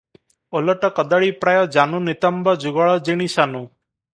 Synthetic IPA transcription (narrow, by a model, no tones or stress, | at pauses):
ɔlɔʈɔkɔd̪aɭipɾajɔd͡ʒanunit̪ɔmbɔd͡ʒuɡaɭɔd͡ʒiɽ̃isanu